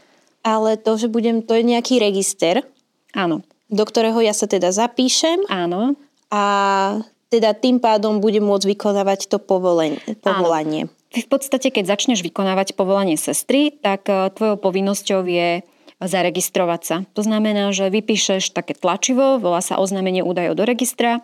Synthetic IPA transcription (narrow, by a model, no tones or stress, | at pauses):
alɛt̪ɔʒɛbuɟɛmt̪ɔjɛɲɛakiːɾɛɡist̪ɛɾ | ʔaːnɔ | d̪ɔkt̪ɔɾɛːɦɔjasat̪ɛd̪azapiːʃɛmʔaːnɔ | a | t̪ɛd̪at̪impaːd̪ɔmbuɟɛmːʊɔd͡zʋikɔnaːʋact̪ɔpɔʋɔlɛpɔʋɔlaɲɪɛ̰ | t̪ifpɔt̪st̪acɛkɛɟzat͡ʃɲɛʒʋikɔnaːʋacpɔʋɔlaɲɪɛsɛst̪ɾit̪akt̪ʋɔjɔʊpɔʋinːɔscɔʊjɛ | zaɾɛɡist̪ɾɔʋasat̪ɔznamɛnaːʒɛʋipiːʃɛʃt̪akɛːt̪lat͡ʃiʋɔʋɔlaːsa̰ʔɔznaːmɛɲɪɛʔuːd̪ajɔ̰ʊd̪ɔɾɛɡist̪ɾa